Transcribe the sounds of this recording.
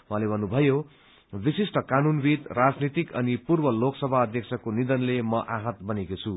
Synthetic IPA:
mwʌɦalebʱʌnːubʱʌjo | bisisʈʌkanunbid̪rad͡znit̪ikʌnipurbʌloksʌbʱaʌd̪ʱjʌksʰʌkonid̪ʌnlemʌʔaɦʌt̪bʌnekot͡sʰu

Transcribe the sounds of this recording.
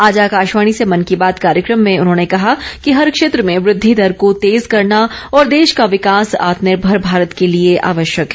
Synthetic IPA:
aːd͡ʒakaːʃʋaːɽ̃isemɐnkibaːt̪kaːɾjəkɾəmːẽʊnɦõːnekɐɦakiɦɐɾkʃeːt̪ɾəmẽʋɾɪd̪ʱːid̪ʱɐɾkot̪eːzkɐɾnaɔːɾd̪eːʃkaʋɪkaːsa̰ːt̪nɪɾbʱɐɾbʱaːɾət̪kelieʔa̰ːʋəʃjəkɦɛ

